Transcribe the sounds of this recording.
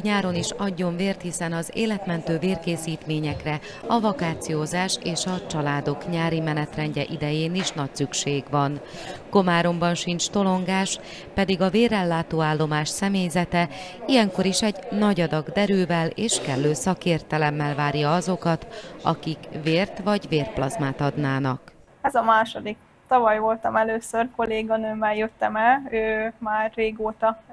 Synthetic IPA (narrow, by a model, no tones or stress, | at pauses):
ɲaːɾo̞niʃɒɟːo̞ɱveːrt̪hisɛnɒzḛːlɛt̪mɛnt̪øːveːrkeːsiːt̪meːɲɛkrɛ | ɒvɒkaːt̪sijoːzaːʃeːʃɒt͡ʃɒlaːd̪o̞kɲaːɾimɛnɛt̪rɛɲɟɛʔid̪ɛjeːniʃnɒcsykʃeːɡʋɒn | ko̞maːɾo̞mbɒnʃint͡ʃt̪o̞lo̞ŋɡaːʃ | pɛd̪iɡɒveːrːɛlːaːt̪oːaːlːo̞maːʃsɛmeːjzɛt̪ɛijɛŋko̞ɾiʃɛɟnɒɟɒd̪ɒɡd̪ɛɾøːvɛleːʃkɛlːøːsɒkeːrt̪ɛlɛmːɛlvaːɾjɒɒzo̞kɒt̪ɒ̰kikveːrt̪ʋɒɟveːrplɒzmaːt̪ɒd̪naːnɒk | ɛzɒmaːʃo̞d̪ik̚ | t̪ɒvɒjvo̞lt̪ɒmɛløːsørko̞leːɡɒnømːɛljøt̪ːɛmɛløːmaːrːeːɡoːt̪ɒ